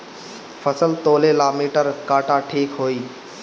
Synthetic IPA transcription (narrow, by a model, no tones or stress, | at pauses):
fʰəsəlt̪oːleːlamiːʈəɾkaːʈaʈʰiːkɦoːiː